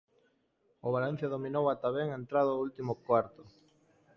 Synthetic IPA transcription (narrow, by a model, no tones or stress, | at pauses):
ʊβalen̟θjaðominowat̪aβɛŋent̪ɾaðoult̪imʊkwaɾt̪ʊ